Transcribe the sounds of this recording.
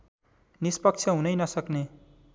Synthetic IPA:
nispʌk̚t͡sʰʌɦunʌjnʌsʌkne

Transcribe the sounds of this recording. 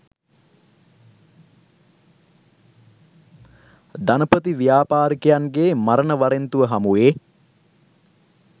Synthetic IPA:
d̪anəpət̪iʋijaːpaːɾikejanɡeːmaɾənəʋaɾent̪uʋəɦamueː

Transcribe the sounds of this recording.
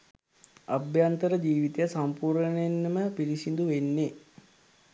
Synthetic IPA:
abjant̪əɾəd͡ʒiːʋit̪ejəsampuːɾənenːəməpiɾisind̪uʋenːe

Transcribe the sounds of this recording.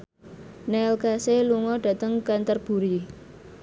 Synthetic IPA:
nɛlkaseluŋɔɖ̥a̤t̪əŋkant̪ərb̥ṳɾi

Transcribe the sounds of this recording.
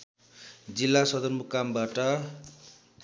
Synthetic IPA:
d͡zilːasʌd̪ʌrmukːambaʈʌ

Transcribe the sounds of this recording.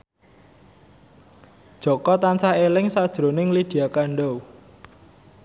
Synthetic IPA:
d̥ʒ̥ɔ̤kɔt̪ansahelɪŋsad̥ʒ̥ɾo̤nɪŋlid̪̥i̤akaɳɖɔw

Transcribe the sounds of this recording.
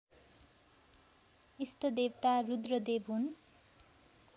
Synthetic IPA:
ist̪ʌd̪ewt̪arud̪rʌd̪ebʱɦun

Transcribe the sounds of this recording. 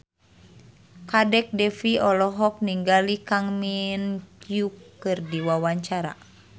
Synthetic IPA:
kadɛk̚dɛfiɔlɔɦɔk̚niŋɡalikaŋminkjukːɨrdiwawaɲt͡ʃaɾa̰

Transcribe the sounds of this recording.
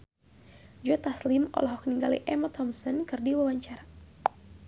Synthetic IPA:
d͡ʒɔt̪aslɪmɔ̰lɔɦɔk̚niŋɡalḭʔɛmat̪ʰɔmsɔnkɨrdiwawaɲt͡ʃaɾa

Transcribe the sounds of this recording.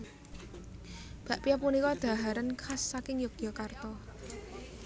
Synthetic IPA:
b̥a̤ʔpijapunikɔd̪̥a̤ɦaɾənkʰasːakɪŋjʊk̚djɔkart̪ɔ

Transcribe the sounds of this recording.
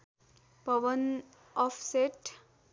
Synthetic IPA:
pʌʋən | ɔfʰseʈ

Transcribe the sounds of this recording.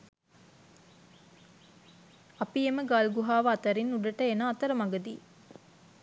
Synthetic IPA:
ɐpieməɡalɡuɦaːʋɐat̪ɐɾinːuɖɐʈəenaːt̪əɾəmaɡəd̪ḭː

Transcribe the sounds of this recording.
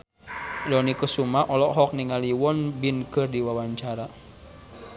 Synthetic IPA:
lɔnikəsumaʔɔlɔʔɦɔk̚niŋaliwɔnbinkɨrdiwawaɲt͡ʃaɾa

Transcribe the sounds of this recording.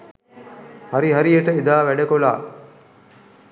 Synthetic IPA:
hɐɾiɦɐɾijeʈəid̪aːʋæɖekola̰ː

